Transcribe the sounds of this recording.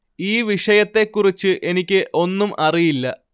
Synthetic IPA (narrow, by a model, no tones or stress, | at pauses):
iːʋiʂɐjɐt̪ːe̞kːurit͡ɕːɨʔe̞nikʲːɨʔo̞nːumʔɐrijilːɐ